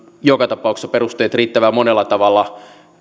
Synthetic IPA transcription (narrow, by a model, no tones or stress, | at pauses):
jokɑt̪ɑpɑuksːɑperust̪eːt̪riːt̪ːæʋæmonelːɑt̪ɑʋɑlːˑɑ